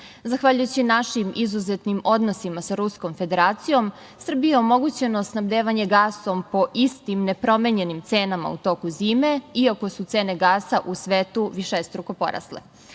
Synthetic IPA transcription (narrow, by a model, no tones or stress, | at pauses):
zaxʋaʎujut͡ɕinaʃimizuzet̪nimo̞d̪no̞simasaɾusko̞mfe̞d̪e̞ɾaːt̪sijo̞m | sr̩bijeomo̞ɡut͡ɕe̞no̞snabd̪eːʋaɲe̞ɡaːso̞mpo̞ʔist̪imne̞pɾo̞meɲe̞nimt̪seːnama̰ut̪o̞ːkuziːme̞iako̞sut̪se̞ːne̞ɡaːsaʔusʋeːt̪uʋiʃest̪ɾuko̞po̞̰ɾa̰slḛ